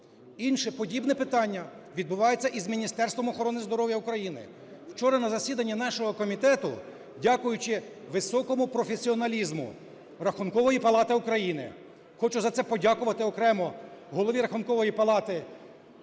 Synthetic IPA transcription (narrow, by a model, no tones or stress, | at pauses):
inʃɛpɔdʲibnɛpɪt̪ɑnʲːɐ | ʋʲid̪̚bʊʋɑjet͡sʲːɐʔizmʲinʲist̪ɛrst̪ʋɐmɔxɔɾɔnɪzd̪ɔɾɔʋʲjɐʊkɾɐjinɪ̰ | w̥t͡ʃɔɾɐnɐzɐsʲid̪ɐnʲːinɑʃɔɦɔkɔmʲit̪ɛt̪ʊ̰ | dʲakʊjʊt͡ʃɪ | ʋɪsɔkɔmʊpɾɔfʲesʲiɔnɐlʲizmʊ̰ | rɐxʊnkɔʋɔjipɐlˠɑt̪ɪʊkɾɐjinɪ̰ | xɔt͡ʃʊzɐt̪ɛpɔdʲakʊʋɐt̪ɪɔkɾɛmɔɦɔlˠɔʋʲiɾɐxʊnkɔʋɔjipɐlˠɑt̪ɪ